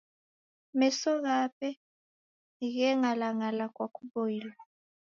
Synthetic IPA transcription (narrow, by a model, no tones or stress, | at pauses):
mɛsɔɣ̬apʼɛ | ik̬ɛŋalaŋalakwakʰʼuɓojiːlwa